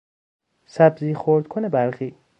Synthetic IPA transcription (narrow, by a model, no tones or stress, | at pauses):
sæbziːxoɾd̪̚kʰonebæɾxiː